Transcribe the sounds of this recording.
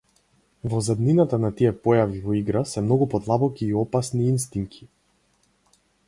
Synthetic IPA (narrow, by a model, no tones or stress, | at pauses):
vɔzɛd̪ninat̪anat̪iɛpɔjavivɔiɡɾasɛmnɔɡupɔd̪lˠabɔkiːɔpasniːnst̪iŋkʰi̥